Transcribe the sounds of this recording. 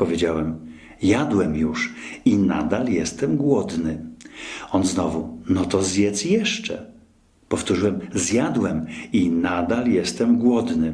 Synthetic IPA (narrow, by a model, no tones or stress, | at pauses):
pɔvʲed͡ʑawɛm | jad̪wɛmjuʂina̰d̪aljɛst̪ɛmɡwɔd̪nɘ | ɔnznɔvunɔt̪ɔzjɛt̪sjɛʂt͡ʂɛ̰ | pɔft̪uʐɨwɛmzjad̪wɛminad̪aljɛst̪ɛmɡwɔd̪nɘ